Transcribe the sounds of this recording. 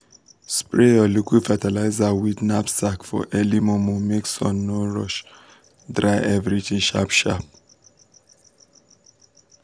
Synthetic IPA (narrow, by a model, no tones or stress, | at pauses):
spɹeɔlukifɛt̪ɛlajzawid̪napsakfɔ̰ʔɛlimɔmomiksɔ̰̃nːoɾɔʃ | d̪ɾajɛvɾit̪ʰĩʃa̰pʃa̰p̚